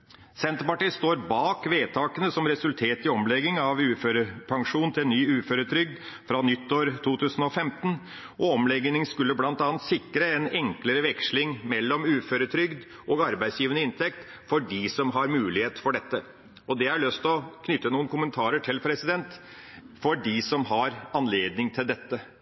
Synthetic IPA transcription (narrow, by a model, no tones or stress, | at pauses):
sɛnt̪əpɑʈiːst̪oːɾbɑːkʋeːt̪ʰɑːkənəsɔmɾɛsʉlt̪ʰeːt̪ɪɔmlɛɡɪŋɑʋʉːføːɾəpʰɑŋʂuːnnt̪ʰɪlnyːʉːføːɾət̪ʰɾʏɡ̚d̪ | fɾɑnʏt̪ːoːɾt̪ʰuːt̪ʰʉːsn̩ɔfɛmt̪ən | ʔɔɔmlɛɡnɪŋskʉlːəblɑnt̪ɑːnt̪sɪkːɾəɛnɛŋkləɾəʋɛkʂlɪŋmɛlːɔmʉːføːɾət̪ʰɾʏɡd̪ʔoːɡɑɾbæɪsjiːʋənəɪnt̪ʰɛkt̪ | fɔɖisɔmɦɑɾmʉːlɪheːt̪fɔɖɛt̪ːə | ɔd̪ɛæɭœst̪lɔkʰnʏt̪ːənuːnkʰʊmənt̪ʰɑːɾəʈʰɪlpʰɾɛsɪd̪ɛnt̪ | fɔɖisɔmɦɑɾɑnleːd̪nɪŋt̪ʰɪld̪ɛt̪ːə